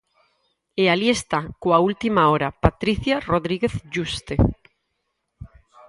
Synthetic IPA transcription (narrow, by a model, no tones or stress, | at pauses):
ealiest̪akoault̪imaoɾapat̪ɾiθjaroðɾiɣeθʒust̪e